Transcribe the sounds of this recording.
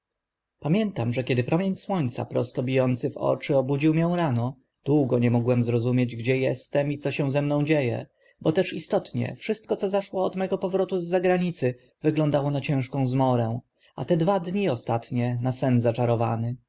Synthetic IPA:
pamʲjɛnt̪amʐɛkʲɛd̪ɘpɾɔmʲjeɲswɔɲt̪sa̰pɾɔst̪ɔbʲijɔnt̪sɘvɔ̰t͡ʂɘɔbud͡ʑiwmʲjɛ̃w̃ɾanɔ | d̪̥wuɡɔɲɛmɔɡwɛmzɾɔzumʲjed͡ʑɡd͡ʑɛjɛst̪ɛmit̪sɔɕɛ̃w̃zɛmnɔ̃w̃d͡ʑejɛ̰ | bɔt̪ɛʂist̪ɔt̪ɲɛ̰fʂɘst̪̚kɔt̪sɔzaʂwɔːd̪mɛɡɔpɔvɾɔt̪uzːaɡɾaɲit̪sɘ | vɘɡlɔnd̪awɔnat͡ɕɛ̃ʂkɔ̃w̃zmɔɾɛ̃w̃ | a̰t̪ɛd̪vad̪ɲiɔst̪at̪ɲɛnasɛnzat͡ʂaɾɔvanɘ

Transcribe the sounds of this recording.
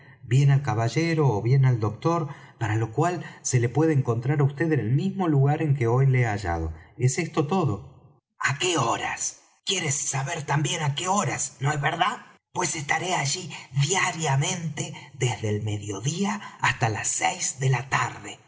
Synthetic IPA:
bje̞nalkaβaʒeɾo̞ːβje̞nald̪o̞k̚t̪o̞ɾ | paɾalo̞kwalse̞le̞pwe̞ð̞eːŋko̞nt̪ɾaɾaust̪e̞ðenelmizmo̞luɣaɾe̞ŋk̬eo̞jleaʒa̰ð̞o̞̰ese̞st̪o̞t̪o̞ðo̞ | ake̞oɾa̰s | kjeɾesːaβeɾt̪ambje̞nakeoɾasnoezβeɾðaðpwe̞sest̪aɾe̞aʒiðjaɾjamẽ̞nt̪eðezðelme̞ðjo̞ðiaːst̪alasːejzðelat̪aɾðe

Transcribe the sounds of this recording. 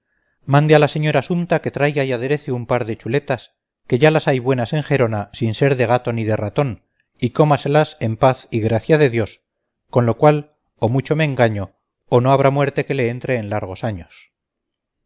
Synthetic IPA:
mãnd̪ealase̞ɲo̞ɾasumt̪ake̞t̪ɾajɣaiað̞e̞ɾe̞θeumpaɾðe̞t͡ʃule̞t̪as | ke̞ʝalasajβwe̞nase̞ŋxe̞ɾo̞nasinse̞ɾðe̞ɣ̞at̪o̞niðe̞rat̪o̞n | iko̞mase̞lase̞mpaθiɣɾaθjaðe̞ðjo̞s | ko̞nlo̞kwal | omut͡ʃo̞meːŋɡaɲo̞ | ono̞aβɾamwe̞ɾt̪e̞ke̞le̞ent̪ɾe̞ːnlaɾɣ̞o̞saɲos

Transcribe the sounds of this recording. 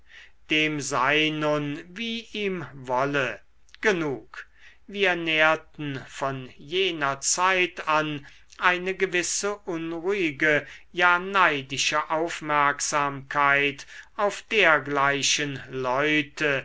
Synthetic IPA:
d̥eːmzaɪnʊnviːʔiːmvɔlə | ɡ̥ənuːk | viːɐneːɐtn̩fɔnjeːnɐt͡saɪtan | ʔaɪnəɡəvɪsəʔʊnʁuɪɡəjaːnaɪdɪʃəʔaʊfmɛɐkz̥aːmkʰaɪtaʊfd̥eːɐɡlaɪʃənlɔʏtʰə

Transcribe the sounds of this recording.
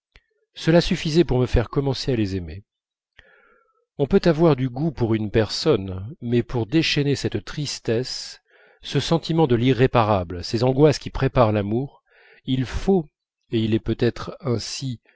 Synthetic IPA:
səlasyfizɛpuʁməfɛʁkɔmɑ̃sealezeme | ɔ̃pøt̪avwaʁd̪yɡupuʁynpɛʁsɔnmɛpuʁd̪eʃɛnesɛt̪t̪χist̪ɛsː | əsɑ̃t̪imɑ̃d̪əliʁːepaʁablsezɑ̃ɡwaskʲipχepaʁlamuːʁ | ilfo | eilɛpøt̪ɛt̪χɛ̃si

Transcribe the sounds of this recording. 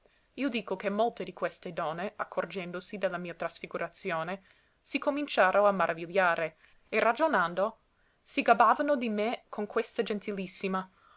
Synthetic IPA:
iːod̪iːkokemːolt̪ed̪ikwest̪ed̪ɔnːeakʰːord͡ʒɛnd̪osid̪elːamiːat̪ɾasfiɡuɾʔat̪sjoːne | sikomint͡ʃaːɾoamːaɾʔaviʎːaːɾe | erad͡ʒonand̪o | siɡabaːvanod̪imekʰonkwest̪ad͡ʒɛnt̪ʰilisːima

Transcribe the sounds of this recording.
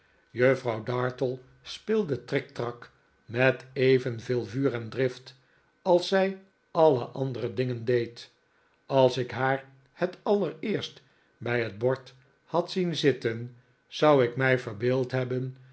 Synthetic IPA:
jøfrɑwdɑːɹtəlˠ | spɪlˠdətrɛk̚trɑk | mɛtejvənvɪːlˠvyːrɛndrɪft | ɑlˠsɛj | ɑlə̰ʔɑndərədɪŋəndejt | ɑlˠsɪkɦaːɹ | hətɑləɹɪːɹst | bɛjɦəd̚bɔɹt | hɑtsinzɪtən | z̥ʌwɪkmɛjvəɹbeːlˠtɦɛbən

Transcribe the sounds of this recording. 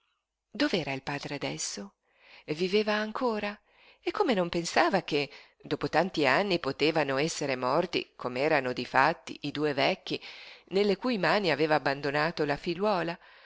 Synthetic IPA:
d̪oveɛːɾailpaːd̪ɾead̪ɛsːo | viveːvaːŋkʰoːɾa | ekːomenompensaːvak̟e | d̪oːpot̪ant̪ianːipot̪eːvanoɛsːeɾemɔrt̪ḭkʰomeɛːɾanod̪ifa̰t̪ːḭʔid̪uːevɛkːinelːekuːjmaːniaveːvaːbːand̪onaːt̪olafiʎwɔːla

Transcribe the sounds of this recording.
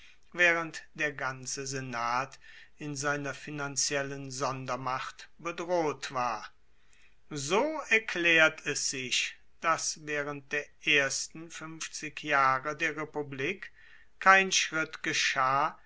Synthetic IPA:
vɛːʁəntd̥eːɐɡant͡səzenaːt | ɪnzaɪnɐfinant͡sjɛlənzɔndɐmaχtb̥ədʁoːtv̥aːɐ | zoːɛɐkʰlɛːɐtʰɛsz̥ɪç | d̥asvɛːʁənt̚d̥eːɐʔeːɐstn̩fʏnft͡sɪkjaːʁədeːɐʁepubliːk | kʰːaɪnʃʁ̥ɪtɡ̥əʃaː

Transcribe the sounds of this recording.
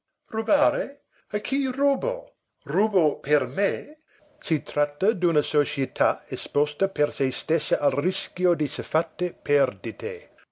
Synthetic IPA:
rubaɾe | akʰirubo̰ | rubopʰerme | sit̪ɾat̪ːɐd̪unɐsot͡ʃiet̪ʰaespɔst̪əpersejst̪ɛsːəʔalriskjod̪isefat̪ːepʰɛrd̪it̪ʰe

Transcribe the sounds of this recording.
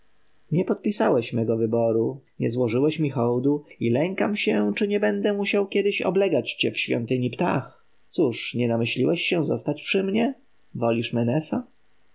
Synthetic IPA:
ɲɛpɔt̪̚pʲisawɛɕmɛɡɔvɘbɔɾuɲɛzwɔʐɘwɛɕmʲixɔwd̪uilɛŋkamɕɛt͡ʂɘɲɛbɛnd̪ɛmuɕawkʲɛd̪ɘɕɔ̰blɛɡat͡ɕt͡ɕɛfɕfʲjɔ̰nt̪ɘɲipt̪a̰x | t̪suʂɲɛnamɘɕlʲiwɛɕːɛzɔst̪at͡ɕpʂɘmɲɛ | vɔlʲiʂmɛnɛsɔ

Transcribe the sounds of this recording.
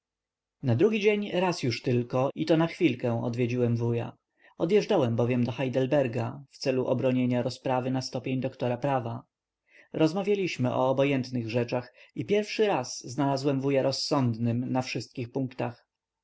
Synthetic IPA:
nad̪ɾuɡʲid͡ʑeɲɾasjuʂt̪ɘlkɔit̪ɔnaxfʲilkɛ̃w̃ɔ̰d̪vʲjed͡ʑiwɛmvuja̰ | ɔd̪jɛʐd͡ʐawɛmbɔvʲjɛmd̪ɔxajd̪ɛlbɛɾɡaft̪sɛluʔɔbɾɔɲeɲaɾɔspɾavɘnast̪ɔpʲjeɲd̪ɔkt̪ɔɾapɾava | ɾɔzmavʲjalʲiɕmɘʔɔ̰ːbɔjɛnt̪nɘɣʐɛt͡ʂaxipʲjɛɾfʂɘɾasːnalazwɛmvujaɾʔɔsːɔnd̪nɘmnafʂɘst̪̚kʲixpuŋkt̪ax

